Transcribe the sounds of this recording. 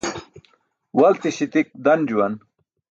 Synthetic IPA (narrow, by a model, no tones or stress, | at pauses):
wɐlt̪iɕit̪ik̚d̪ɐnd͡ʑuwɐn